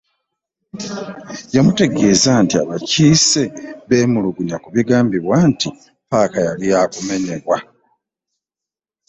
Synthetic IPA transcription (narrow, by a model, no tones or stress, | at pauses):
jamute̞ɡe̞ːzantia̰βaciːse̞βe̞ːmuluɡuɲakuβiɡaːmbiβwanti | paːkajalijaːkume̞ɲeβwa